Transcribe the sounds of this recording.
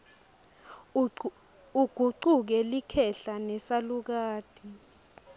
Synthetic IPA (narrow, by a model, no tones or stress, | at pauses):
uɡ̥ʱuǀuk̬ɛlikʰɛɬanɛsaluk̬aːd̥ʱi